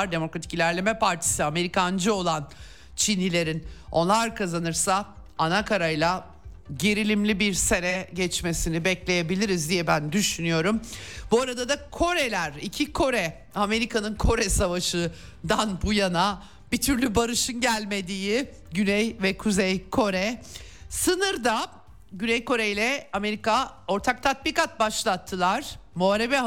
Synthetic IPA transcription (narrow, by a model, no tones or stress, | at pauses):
ɾd̪e̞mo̞kɾat̪ʰi̥cilʲæɾlʲe̞mɛpʰaɾt̪ʰi̥siame̞ɾikʰand͡ʒɯo̞lˠan | t͡ʃʰinːilʲe̞ɾino̞̰nlˠaɾkʰazanɯɾsa | anakʰaɾajlˠa | ɟe̞ɾilʲimlʲibiɾse̞ɾɛɟɛt͡ʃmesinibɛclʲeje̞bilʲiɾizd̪ijɛbænd̪yʃynyjo̞ɾumbuaɾad̪ad̪akʰo̞ɾe̞lʲæɾicʰikʰo̞ɾɛ | ame̞ɾikʰanɯnkʰo̞ɾɛsavaʃɯ | d̪anbujana | bit̪ʰyɾlʲybaɾɯʃɯnɟælʲme̞d̪ijɪ | ɟynɛjvɛkʰuzɛjkʰo̞ɾɛsɯnɯɾd̪a | ɟynɛjko̞ɾejlʲɛame̞ɾikao̞ɾt̪ʰak̚t̪ʰat̪̚bikat̪̚baʃlˠat̪ʰːɯlˠaɾ̥moaɾevɛ